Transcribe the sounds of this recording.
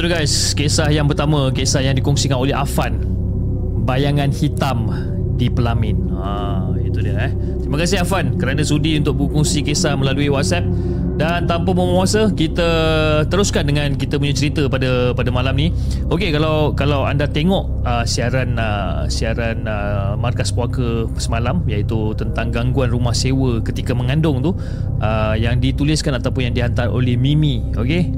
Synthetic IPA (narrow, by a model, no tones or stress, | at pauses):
ɾuɡajskesahjaŋpərt̪amãkesahjaŋdikɔŋsikanolɛɦa̰fan | bajaŋãnhit̪am | dipəlamɪn | a | it̪udiəɛh | t̪ɾimakas̬ɪɦafankəɾanãsudiunt̪ʊk̚bkɔŋsikesahmə̃laluiwat̪̚sɛp̚ | dant̪ampaməməuasəkit̪ət̪əɾʊskandəŋãnkit̪əpuɲət͡ʃəɾit̪əpadəpadəmalamni | okekalawkalawandat̪eŋɔʔ | əsiaɾanə | siaɾanəmarkaspuakə | səmalamjait̪ut̪ənt̪aŋɡaŋɡuanrumahsewəkət̪ikəməŋãndʊŋt̪u | ʔəjaŋdit̪ulɪskanat̪awpʊnjaŋdiɦant̪aro̰lɛhmimĩ | oke